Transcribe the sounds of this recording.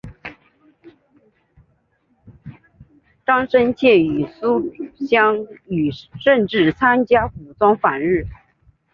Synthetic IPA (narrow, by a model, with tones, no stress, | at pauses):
ʈ͡ʂɑ˥ŋʂə˥nt͡ɕʰjɛ˥˩y˨˩su˥ɕɑ˥ŋy˨˩ʂə˥˧nʈ͡ʂɻ̩˥˩t͡sʰa˥nt͡ɕja˥ku˨˩t͡swɑ˥ŋfa˨˩nɻɻ̩˥˩